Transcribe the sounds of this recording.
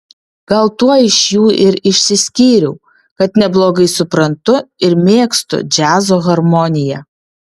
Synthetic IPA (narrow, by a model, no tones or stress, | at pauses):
ɡ̥ɐlˠt̪uɔɪʃjuːɪɾɪʃʲsʲɪsʲkʲiːɾʲɛʊ | kɐt̪nʲɛblˠoːɡɐɪsʊpɾɐnt̪ʊɪɾmʲeːkst̪ʊ̰d͡ʒʲæːzoːɣɐɾmɔnʲɪjɛ